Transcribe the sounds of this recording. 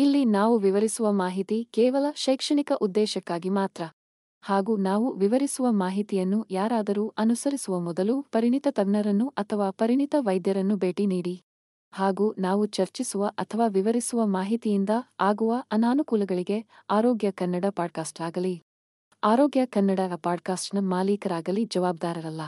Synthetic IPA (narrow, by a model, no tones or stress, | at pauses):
ilːinaːʋuʋiʋɐɾisuʋɐmaːɦit̪ikɛːʋɐlɐʃɐjkʂɐɳikɐʔud̪ːɛːʃɐkːaːɡimaːt̪ɾɐ | haːɡuːnaːʋuʋiʋɐɾisuʋɐmaːɦit̪ijɐnːujaːɾaːd̪ɐɾuːʔɐnusɐɾisuʋɐmɔd̪ɐlupɐɾinit̪ɐt̪ɐɡnɐɾɐnːuʔɐt̪ʰɐʋaːpɐɾiɳit̪ɐʋɐjd̪jɐɾɐnːubeːʈiniːɽi | haːɡuːnaːʋut͡ʃɐɾt͡ʃisuʋɐʔɐt̪ʰɐʋaːʋiʋɐɾisuʋɐmaːɦit̪ijind̪ɐaːɡuʋɐʔɐnaːnukuːlɐɡɐɭiɡe̞aːɾoːɡjɐkɐnːɐɽɐpaːɖ̚kaːsʈaːɡɐli | aːɾoːɡjɐkɐnːɐɽɐɐpaːɖ̚kaːsʈnɐmaːliːkɐɾaːɡɐlid͡ʒɐʋaːb̚d̪aːɾɐɾɐlːɐ